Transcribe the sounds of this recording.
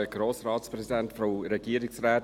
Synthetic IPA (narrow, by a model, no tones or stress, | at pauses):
əɡ̥ɾoːsrɑːtspɾɛsidɛntfɾoɾɛɡ̥iəɾɪksrɛːt